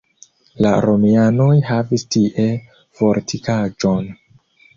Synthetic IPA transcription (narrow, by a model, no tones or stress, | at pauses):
laɾo̞miano̞jhavistiʔe̞ | v̥o̞ɾtʰikad͡ʒo̞n